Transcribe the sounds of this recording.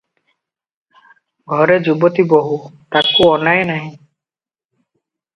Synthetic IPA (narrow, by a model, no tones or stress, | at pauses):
ɡʱɔɾed͡ʒubɔt̪iboɦut̪akuɔnajnaɦĩ